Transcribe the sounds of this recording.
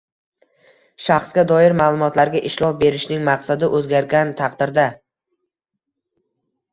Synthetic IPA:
ʃɑχsɡʲad̪ɒɪɾmaːlˠʊmɒt̪laɾɡʲaʔɪʃlˠɒp̚be̞ɾɪʃnɪŋmaqsad̪ɪʔɵzɡʲaɾɡʲant̪ʰɑqd̪ɪɾd̪a

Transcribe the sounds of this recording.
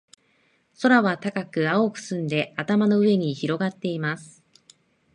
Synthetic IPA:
so̞ɾaβat̪akakɯ̟aokɯ̟̥sɨ̃nd̪e̞at̪amano̞ɯ̟e̞ɲ̟içiɾo̞ɡat̪ːe̞imasɨ̥

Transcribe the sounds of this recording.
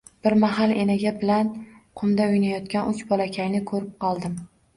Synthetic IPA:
b̥ɪɾmaɦalˠenaɡʲabɪlanqʰʊmd̪aʊjnajɒt̪kʲanʊt͡ʃbɒlˠakʲʰajnɪkʰɵɾɪp̚qʰɒlˠd̪ɪm

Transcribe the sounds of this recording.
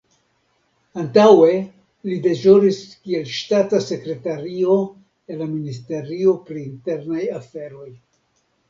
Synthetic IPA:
antawe̞ | lide̞ʒoɾiskie̞lʃtatase̞kɾe̞taɾio̞ | elaministe̞ɾio̞pɾiːnte̞ɾnajafe̞ɾo̞j

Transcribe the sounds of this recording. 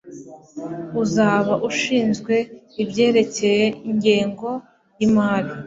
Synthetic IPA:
uzaːβaʔuʃiːnzɡwe̞ | ibɟe̞ːɾe̞ce̞je̞iɲɟeːŋɡo̞ | jimaːɾi

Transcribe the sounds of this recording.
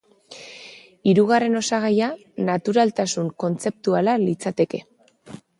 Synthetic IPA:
iɾuɣare̞no̞saɣ̞aja | nat̪uɾalt̪asuŋko̞nt͡se̞p̚t̪ualalit͡sat̪e̞ke̞

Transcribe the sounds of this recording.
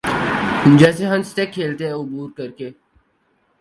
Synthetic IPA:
d͡ʒɛːseɦɐmsʈ̪ekʰːeːlt̪eɦɛ̃ʊbuːɾkɐɾkeː

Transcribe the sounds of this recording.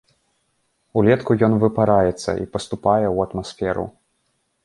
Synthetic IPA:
ulʲɛt̪kujɔnvɨpaɾajɛt̪sːɐ̰ḭpɐst̪upajɛuɐt̪masfʲɛɾṵ

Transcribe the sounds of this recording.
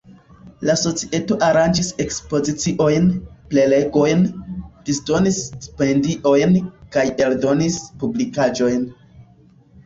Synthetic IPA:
laso̞t͡siʔeto̞ʔaɾand͡ʒise̞kspo̞zit͡siʔo̞jnple̞le̞ɡo̞jnd̥isto̞nisspe̞ndiʔo̞jnkaje̞ldo̞nispublikad͡ʒo̞jn

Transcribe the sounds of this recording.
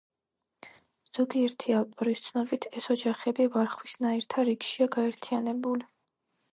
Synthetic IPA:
z̥ɔɡiɛɾt̪ʰialt̪ʼɔɾist̪sʰnɔbit̪ʰɛsɔd͡ʒaχɛbivaɾχwisnaiɾt̪ʰaɾikʃiaɡaɛɾt̪ʰianɛbuli

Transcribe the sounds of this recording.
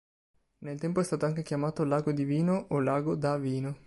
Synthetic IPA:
nelt̪ɛmpoɛst̪aːt̪oaŋkekjamaːt̪olaːɡod̪iviːnoʔolaːɡod̪aviːno

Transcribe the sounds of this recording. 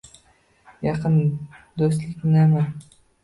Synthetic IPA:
jɑqʰɨnd̪os̬t̪lɪkʲnama

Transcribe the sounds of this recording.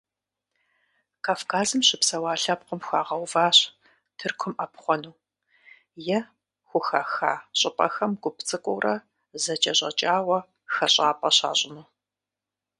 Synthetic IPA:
kʰaːfkʰaːzɨmɕɪpsɐwaːɬɐp̚qəmxʷaːʁɐwvaːɕ | tʰɨrkʷʰʊmʔɐpχʷɔnuː | jɛ | xʷʊxaxa̰ːɕʼɪpʼɐ̰xɐmɡʷʊpt͡sʼɨkʷʼʊwrɐ | zɐt͡ʃʼɐɕʼɐ̰t͡ʃʼaːwɐ | xɐɕʼaːpʼɐɕa̰ːɕʼɪnuː

